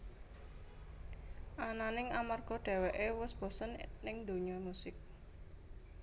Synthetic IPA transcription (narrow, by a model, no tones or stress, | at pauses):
ʔananɪŋamarɡ̥ɔɖ̥ɛ̤wɛʔewʊsb̥ɔ̤sɔnnɪŋd̪o̤ɲɔmusɪk̚